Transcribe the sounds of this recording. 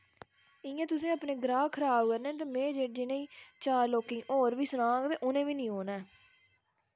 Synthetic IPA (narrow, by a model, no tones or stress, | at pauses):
ɪjãːt̪ʊsĩːəpneːɡɾaːkʰəɾaːbkəɾnẽːt̪̬eːmẽːd͡ʒeːd͡ʒiːnẽiːt͡ʃaːɾloːkĩːʔoːɾʋiːsənaːɡt̪eːʔʊnẽːʋiːnĩːɦoːnɛː